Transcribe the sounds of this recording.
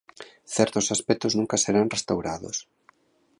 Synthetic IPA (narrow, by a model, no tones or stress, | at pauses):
θɛɾt̪osaspɛk̚t̪ʊznũŋkaseɾanrest̪awɾaðo̰s